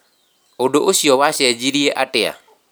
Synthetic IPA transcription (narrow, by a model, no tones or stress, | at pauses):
odoʔoʃiɔwaʃɛd͡ʒiɾjeʔatɪa̰